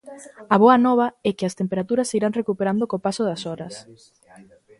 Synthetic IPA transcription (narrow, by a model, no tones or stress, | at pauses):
ɐβoɐnɔβ̞ɐɛkɪɐst̪empeɾat̪uɾɐsiɾaŋrekupeɾand̪okopasoðɐsɔɾɐs